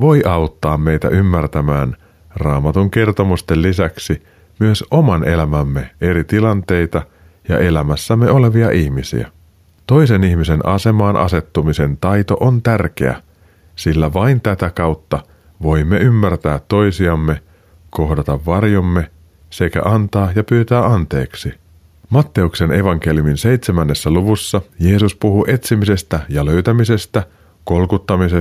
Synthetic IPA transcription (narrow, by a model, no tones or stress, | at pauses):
ʋo̞jʔɑwt̪ːɑːmːe̞jt̪æ̰ʔymːært̪æmæːn | rɑːmɑt̪uŋk̟e̞rt̪o̞must̪elːisæksi | myøsʔo̞mɑnʔe̞læmæmːe̞e̞ɾit̪ilɑnt̪e̞jt̪ɑ | jɑ̰ʔe̞læmæsːæmːeo̞le̞ʋiɑʔiçmisḭæ̰ | t̪o̞jse̞niçmise̞nɑ̰se̞mɑːnʔɑ̰se̞t̪ːumise̞nt̪ɑjt̪o̞̰ʔont̪ærk̟e̞̰æ̰ | silːæʋɑjnt̪æt̪ækɑwt̪ːɑ | ʋo̞jmːe̞ymːært̪æːt̪ːo̞jsiɑmːe̞ | ko̞ɦdɑt̪ɑʋːɑrjo̞mːe̞ | se̞kæ̰ʔɑnt̪ɑːjɑpyːt̪æːɑnt̪e̞̰ːksi | mɑt̪ːe̞ukse̞ne̞ʋɑŋk̟e̞lijuminse̞jt̪semænːe̞sːæluʋusːɑje̞ːsuspuɦuʔe̞t̪simise̞st̪æjɑløɥt̪æmise̞st̪æ | ko̞lkut̪ːɑmise